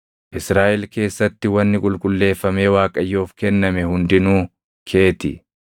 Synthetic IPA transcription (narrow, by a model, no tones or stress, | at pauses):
ʔɪsɾaːʔɛlke̞ːsːɐt̪ːɪwɐnːɪkʼʊlkʼʊlːe̞ːfːɐme̞ːwaːkʼɐjːoːfkɛnːɐmɛhʊnd̪ɪnuː | kʰe̞ːt̪ɪ̰